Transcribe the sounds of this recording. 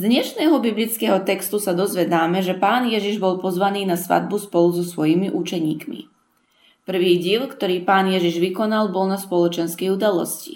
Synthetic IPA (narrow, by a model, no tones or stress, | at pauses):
zd̪ɲɛʃnɛːɦɔbiblit͡skɛːɦɔt̪ɛkst̪usad̪ɔzʋɛd̪aːmɛʒɛpaːnjɛʒiʒbɔlpɔzʋaniːnasʋa̰d̪̚buspɔluzɔsʋɔjimiʔut͡ʃɛɲiːkmḭ | pr̩ʋiːɟiːlkt̪ɔɾiːpaːnjɛʒiʒʋikɔnalbɔlnaspɔlɔt͡ʃɛnskɛjud̪alɔ̰scḭ